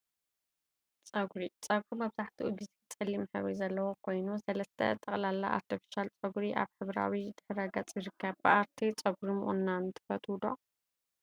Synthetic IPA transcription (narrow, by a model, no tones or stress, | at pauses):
t͡sʼɐɡɾit͡sʼɐɡfumɐβzaħt̪ʰiʔuɡ̪ɨzt͡sʼɨlːimħɨβɾizɐlːɐwokʰo̞jnusɐlɐst̪ʰɐ̰t̪ʼɐχʼlalːaʔa̰ɾt̪ʰifi̥ʃalt͡sʼɐɡɾiʔa̰βħɨβɾa̰wid̪̥ɨħɾɐɡɐt͡sʼjɨɾɨkʰːɐβbɨaɾt̪ʰit͡sʼɐɡɾimʔṵnːant̪ʰɨ̥fɐt̪ʰwd̪o̰